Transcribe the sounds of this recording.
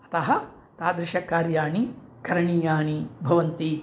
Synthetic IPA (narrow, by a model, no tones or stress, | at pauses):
ɐ̥t̪ɐɦɐ̆ | t̪aːd̪ɾɪʃɐkːaːɾjaːɳikɐɾɐɳiːjaːɳibʱɐʋɐnt̪i